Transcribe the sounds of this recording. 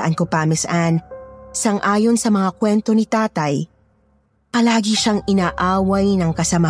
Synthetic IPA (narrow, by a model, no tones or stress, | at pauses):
ʔɐnkopamɪsʔansɐŋʔaːjo̞nsɐmɐŋakwɛnt̪o̞nɪt̪aːt̪ɐj | pɐlaːɡɪʃaŋʔɪnaːʔaːwɐjnɐŋkɐsɐmɐ